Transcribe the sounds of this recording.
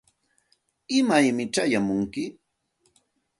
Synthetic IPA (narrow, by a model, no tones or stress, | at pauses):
ɪmajmɪʈ͡ʂajamʊŋkɪ